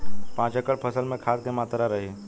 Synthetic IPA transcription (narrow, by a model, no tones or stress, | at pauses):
pãːt͡ɕəkəɭpʰəsəlmẽkʰat̪̚k̪emat̪ɾaɾəɦe